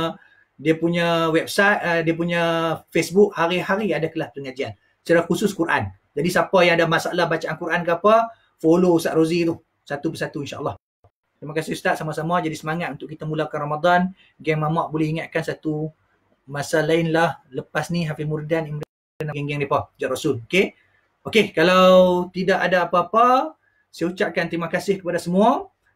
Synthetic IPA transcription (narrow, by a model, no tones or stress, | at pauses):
diəpuɲawɛp̚sat̪̚diap̬uɲãfesbuk̚haɾiɦaɾiadakəlahpəɾəŋad͡ʒian | ə̥t͡ʃaɾakusʊskuɾʔa̰n | d͡ʒadisapəjaŋadamasaʔlahbat͡ʃaʔankuɾank̬əapə | folousaʔ̪ɾozit̪uh | sat̪ubəsat̪uinʃa̰ʔəlˠːɑh | t̪imakasɪhst̪aʔ̪̚samasamad͡ʒadisəmaŋat̪̚unt̪ʊʔkːit̪amulakanramad̪ˤan | ɡɛŋmamaʔbolɛhiŋat̪̚kansat̪u | masalaɪnlahləpasniɦafimurdanimɾa | danaɡɛŋɡɛŋdepad͡ʒaʔɾasʊloke | okekalawt̪idaʔadaːpaːpa | sajaut͡ʃaʔ̚kant̪ɾimakasɪhkəpadasəmua